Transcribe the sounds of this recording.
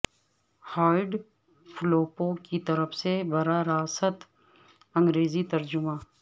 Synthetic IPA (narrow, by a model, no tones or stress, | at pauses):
haːɖ | fʰʊloːpõkit̪ɐɾəfsebɐɾaɾaːsət̪ | ɐ̃ŋɡɾeːzit̪ɐɾd͡ʒʊmãː